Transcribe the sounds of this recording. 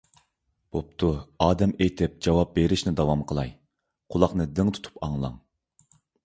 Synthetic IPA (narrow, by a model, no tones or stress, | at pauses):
b̥op̚t̪ʰuɑːd̪ɛmejt̪ʰɪp̚d͡ʒɑwɑp̚beɾɪʃnɪd̪ɑwɑmqʰəlˠɑj | qʰʊlˠɑχnɨd̪ɪŋt̪ʰu̥t̪ʰu̥pɑŋlˠɑ̰ŋ